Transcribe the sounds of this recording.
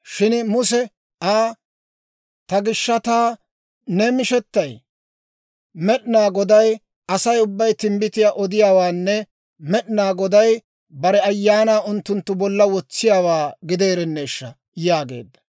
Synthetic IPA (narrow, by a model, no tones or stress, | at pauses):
ʃɪnmʊs̬ɛ | aː | t̪ɐɡɪʃːɐt̪aː | nɛmɪʃɛt̪ːɐj | mɛɗɪnaːɡɔd̪ɐj | ɐsɐjʊbːɐjt̪ɪmbɪt̪ɪjaːʔɔd̪ɪjaːwaːnːɛ | mɛɗnaːɡɔd̪ɐj | bɐɾɛɐjːaːnaːʔʊnt̪ːʊnt̪ːʊbɔlːɐwɔt͡sːɪjaːwaːɡɪd̪eːɾɛnːeːʃːɐ | jaːɡe̞̰ːd̪ːɐ̥